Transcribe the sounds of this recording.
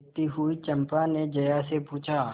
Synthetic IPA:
t̪iɦuit͡ʃɐ̃mpaned͡ʒɐjasepuːt͡ʃʰaː

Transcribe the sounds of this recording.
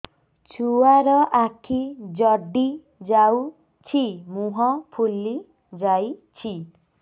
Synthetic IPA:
t͡ʃʰuwaɾɔʔakʰid͡ʒɔɖi | d͡ʒaw | t͡ʃʰimuɦɔpʰulːi | d͡ʒajt͡ʃʰi

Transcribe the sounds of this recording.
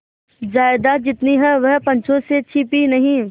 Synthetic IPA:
d͡ʒaːɪd̪ad͡ʒɪt̪niɦɛʋɐɦpɐ̃ɲt͡ʃʰõset͡ʃʰipinɐɦĩ

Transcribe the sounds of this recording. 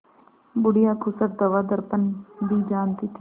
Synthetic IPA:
bʊɽijaːkʰʊsəɾ̚d̪əʋaːd̪əɾpənd̪iːd͡ʒaːnt̪iːt̪ʰiː

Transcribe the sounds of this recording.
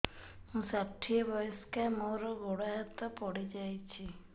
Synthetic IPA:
ɦũsaʈʰːiebɔjɔskamoɾɔɡoɽaɦɔt̪ɔpɔɽid͡ʒajt͡ʃʰi

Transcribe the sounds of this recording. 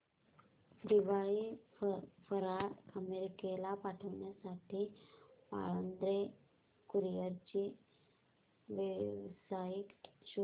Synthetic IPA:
d̪iʋaɭi | fəɾaəmeɾikelapaʈʰəʋɳjasaʈʰiːpa̰ɭənd̪ɾe | kuɾijəɾt͡ɕiː | ʋʋsajikɕu

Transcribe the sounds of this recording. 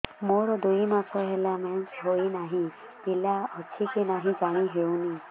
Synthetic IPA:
moɾɔd̪ujmasʰɔɦelamɛnsɦojnaɦĩ | pilaɔtʰikinaɦĩd͡ʒaɽ̃iɦewni

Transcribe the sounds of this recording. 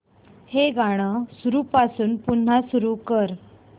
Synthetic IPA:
heɡʱaɽ̃əsuɾuːpasuːnpun̤ːasuɾukəɾ

